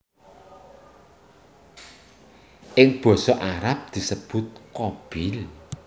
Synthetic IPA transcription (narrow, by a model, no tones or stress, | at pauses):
ʔɪŋb̥ɔ̤sɔʔaɾap̚d̪̥i̤səb̥ʊ̤t̪̚kɔb̥ɪl